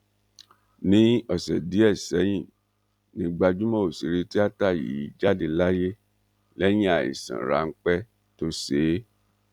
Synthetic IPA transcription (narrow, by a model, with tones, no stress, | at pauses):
nĩ˦ɔ˨sɛ˨di˨˦ɛ˦˨sɛ˨˦j̃ĩ˦˨ | nĩ˧ɡ͡ba˧d͡ʒu˦mɔ̃˦o˨si˨ɾe˧ti˦a˦ta˦˨jḭ˨˦i˦d͡ʒa˦de˦˧la˦je˦ | lɛ˦j̃ĩ˦a˨ḭ˨sã̰˨ɾa̰˨˦ŋ̩˦k͡pɛ˦ | to˦se˨˦